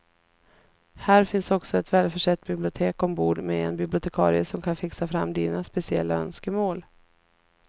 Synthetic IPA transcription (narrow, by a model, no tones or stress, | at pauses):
hæːɾfɪnsɔksɔɛt̪vɛːlfœʂɛt̪̚ːbɪblɪʊt̪ʰeːkɔmbuːɖmɛɛ̰nbɪblɪʊt̪ʰɛkʰɑ̰ːɾɪəsɔmkʰanfɪksafɾamːd̪iːnaspɛsɪɛ̰lːaœ̰nskəmoːl